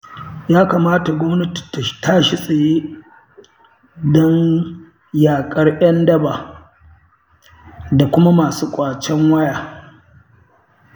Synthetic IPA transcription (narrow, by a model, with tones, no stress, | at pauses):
jaː˦kaː˨maː˦ta˨ɡʷɔ˦mnɐ˦ti̥˨ta˨taː˦ʃi˦sʼe˨jeː˦ | dɔ˦n | jaː˨kʼɐ˦rʔɐ˦ndɐ˦baː˨ | da˨kʷʊ˦ma˦maː˨suː˦kʷʼaː˨t͡ʃɛ˦ŋwɐ˦jaː˨